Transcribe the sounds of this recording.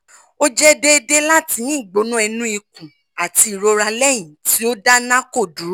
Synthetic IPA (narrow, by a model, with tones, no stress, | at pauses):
o˦d͡ʒɛ˦de˦˧de˦la˦ti˧˦ĩ˦˨ɡ͡bo˨˦nũ˦ɛ˧nũ˦i˧kũ˨ | a˨ti˧i˨ɾo˧ɾa˧lɛ˦˨j̃ĩ˨ti˨˦o˦da˦nã˦ko˦˨du˨˦